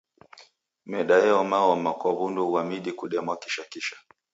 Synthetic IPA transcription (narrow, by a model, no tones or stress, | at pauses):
mɛɗajɛɔmaɔmakwɔβunduuwamiɗikuɗɛmwakiʃakiʃḁ